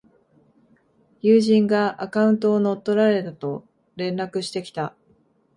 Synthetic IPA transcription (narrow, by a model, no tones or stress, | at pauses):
jɯːʑĩŋɡaʔakaɯ̟̃nt̪̬o̞ːno̞t̪ːo̞ɾaɾe̞t̪at̪o̞ | ɾẽ̞nɾakɯ̟ɕi̥t̪e̞kʲi̥t̪a